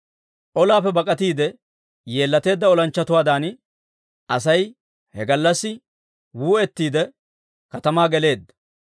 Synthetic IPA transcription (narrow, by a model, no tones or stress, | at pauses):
ʔɔlaːpːɛbɐkʼɐt̪iːd̪ɛ | je̞ːlːɐt̪e̞ːd̪ːɐɔlɐnt͡ʃːɐt̪ʊwaːd̪aːn | ɐsɐj | hɛɡɐlːɐsːɪ | wuːɛt̪ːiːd̪ɛ | kɐt̪ɐmaːɡɛle̞ːd̪ːɐ̥